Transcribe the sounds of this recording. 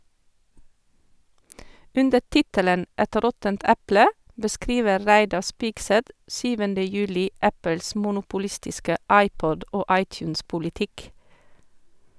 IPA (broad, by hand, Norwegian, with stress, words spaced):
ˈʉndəɾ ˈtɪtələn ˈɛt ˈɾɔtənt ˈæplə bəˈskɾiːʋəɾ ˈɹæɪdɑɾ ˈspɪɡsɛt ˈsyːʋəndə ˈjʉːlɪ ˈʔæpəls mʊnʊpʊˈlɪstɪskə ˈɑɪˌpɔd ˈʔoː ˈɑɪˌtjʉːnspʊlɪˌtɪk